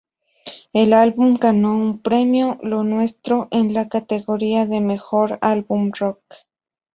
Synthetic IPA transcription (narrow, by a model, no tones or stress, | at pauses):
elalbumɡanoumpɾemjolonwest̪ɾoʔenlakat̪eɣoɾiaðemexoɾalbumrok